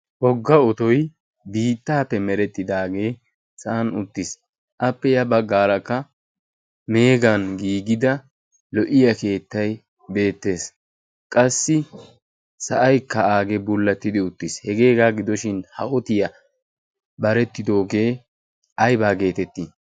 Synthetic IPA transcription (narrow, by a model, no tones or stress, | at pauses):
ʔɔɡːɐɔt̪ɔj | biːt̪ːaːpːɛmɛɾɛt̪ːɪd̪aːɡe̞ː | sɐʔɐnʊt̪ːɪs | ʔɐpːɛjɐbɐɡaːɾɐkːɐ | me̞ːɡɐnɡiːɡɪd̪ɐ | lɔʔɪjɐke̞ːt̪ːɐj | be̞ːt̪ːe̞ːs | kʼɐsːɪ | sɐʔɐjkːɐaːɡɛbʊlːɐt̪ːɪd̪ɪʊt̪ːɪshɛɡe̞ːɡaːɡɪd̪ɔʃɪnhɐʔɔt̪ɪjɐ | bɐɾɛt̪ːɪd̪o̞ːɡe̞ː | ʔɐjbaːɡe̞ːt̪ɛt̪ːi